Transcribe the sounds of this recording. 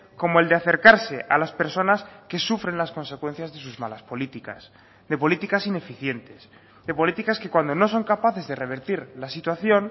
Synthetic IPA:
ko̞moe̞ld̪eaθe̞ɾkaɾse̞ʔa̰laspe̞ɾso̞naske̞sufɾenlasko̞nse̞kwe̞n̟θjazðe̞suzmalaspo̞lit̪ika̰s | ðe̞po̞lit̪ikasine̞fiθje̞nt̪e̞s | ðe̞po̞lit̪ikaske̞kwand̪o̞no̞s̬o̞ŋkapaθe̞zðe̞re̞β̞e̞ɾt̪iɾlasit̪waθjo̞n

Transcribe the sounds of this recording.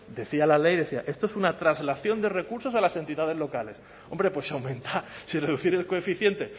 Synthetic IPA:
d̪e̞θialale̞jðe̞θia̰ʔe̞st̪oesunat̪ɾazlaθjo̞nd̪e̞re̞kuɾso̞salase̞nt̪iðað̞e̞zlo̞kale̞s | o̞mbɾe̞pwe̞sawmẽ̞nt̪asire̞ðuθiɾe̞sko̞efiθje̞nt̪e̞

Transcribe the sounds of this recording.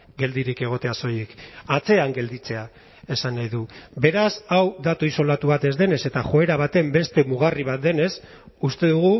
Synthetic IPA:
ɡe̞ld̪iɾike̞ɣ̞o̞t̪e̞aso̞jekat͡se̞aŋɡe̞ld̪it͡se̞a | e̞sanːajðube̞ɾasawd̪at̪uiso̞lat̪uβ̞at̪e̞zd̪e̞ne̞se̞t̪aχo̞e̞ɾaβ̞at̪e̞mbe̞st̪e̞muɣ̞ariβ̞at̪̚d̪e̞ne̞s | ust̪e̞ðuɣ̞u

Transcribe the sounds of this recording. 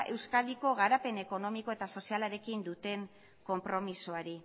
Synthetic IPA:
ʔe̞wskald̪iko̞ɣaɾape̞ne̞ko̞no̞miko̞e̞t̪aso̞sialaɾe̞kind̪ut̪e̞ŋ | ko̞mpɾo̞misuaɾi

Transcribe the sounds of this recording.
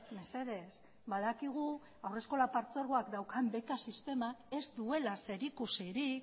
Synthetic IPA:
me̞se̞ðe̞s | bað̞akiɣ̞u | awre̞sko̞lapaɾt͡soɾɣoakd̪awkʰambe̞kasist̪e̞make̞zd̪ue̞lase̞ɾikusiɾik

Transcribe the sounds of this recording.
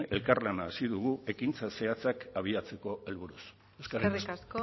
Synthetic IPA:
e̞lkarlanaːsiðuɣ̞ue̞kint͡sase̞at͡sakaβ̞iat͡se̞ko̞e̞lβ̞uɾus | eskaɾriasko

